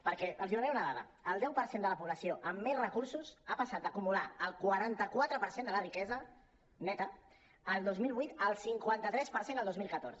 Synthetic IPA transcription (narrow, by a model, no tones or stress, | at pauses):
pəɾkɛʔəlˠziðuɾɛwunəðaðə̰ | əlˠd̪ɛwpəɾsend̪ələpuβləsioʔəmːezrəkuɾsuzapasat̪̚əkumulaəlˠkwaɾant̪əkwat̪ɾəpəɾsend̪ələrikɛzə | nɛt̪ə | əlˠd̪ozmilˠβwujt̪əlˠsiŋkwant̪ət̪ɾɛspəɾsendəlˠd̪ozmilˠkət̪o̰ɾzə